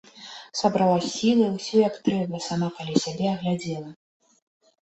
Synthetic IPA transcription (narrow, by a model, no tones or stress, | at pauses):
sabɾalˠasʲilˠɨwsʲɔjakt̪ɾɛbɐsamakalʲisʲabʲɛɐɣlʲad͡zʲɛlˠɐ